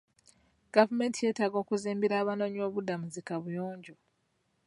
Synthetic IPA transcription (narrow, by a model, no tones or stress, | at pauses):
ɡ̥avume̞ːntʰije̞ːtaɡo̞ːkuziːmbiɾaːβano̞ːɲo̞ːβudamuzikaβujoːɲɟo